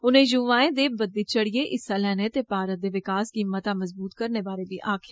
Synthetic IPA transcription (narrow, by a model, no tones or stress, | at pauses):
ʊnẽjuʋãːẽd̪eːbɐd̪ːit͡ʃɐɽ̤ieʔɪsːalɛːnet̪epaːɾət̪̚d̪eʋɪkaːskiːmːət̪ãmɐzbuːt̪kɐɾnebaːɾebʱiʔaːkʰɪ̥